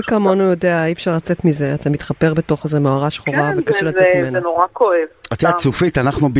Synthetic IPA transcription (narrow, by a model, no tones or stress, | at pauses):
kamonujo̞deaifʃaʁlat͡setmize̞at̪amit̪χape̞ʁbe̞to̞χezemoaʁaʃχoʁavekaʃelaetmimenenoʁakoevat̪at͡sufit̪anaχnub